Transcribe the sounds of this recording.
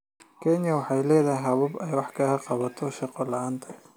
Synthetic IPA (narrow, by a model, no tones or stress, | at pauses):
kʰɛnjɐwɑħɑjlɛːðɐɦɐβɐbɛjwɑħkʰɐɣɐqɑβɐt̪ʰɔʃɑqɔlɐaːnt̪ʰɐ